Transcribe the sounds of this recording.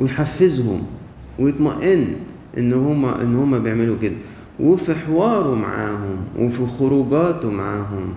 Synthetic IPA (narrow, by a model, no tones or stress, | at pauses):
wɪjħafːɪzhʊ̰m | wjɪt̪maʔɪn | ʔɪnːhʊmːaʔɪ̰nːhʊmːabjɪʕmɪlukɪd̪a | wɪfiħɪwɑːɾˤʊma̰ʕa̰ːhʊmwʔɪfixʊɾuːɡaːt̪umaʕaːɦʊm